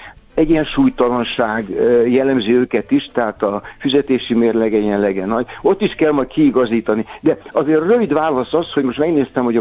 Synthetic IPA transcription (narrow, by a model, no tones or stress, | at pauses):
ɛɟːiɛnʃuːjt̪ɒlɒnʃaːɡjɛlːɛmziøːkɛt̪iʃt̪ɛɦaːt̪ɒfyzɛt̪eːʃimeːrlɛɡɛɟiɛnlɛɡɛnːɒɟo̞t̪ːiʃkɛlmɒjt̪kiːɡɒziːt̪ɒnid̪ɛɒzeːɾrø̞vid̪ʋaːlɒsɒshoɟmo̞ʃt̪mɛɡneːst̪ɛmho̞ɟɒ